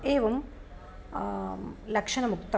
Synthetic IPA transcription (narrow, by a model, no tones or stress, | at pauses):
eːʋɐm | lɐkʂɐnɐmukt̪ɐ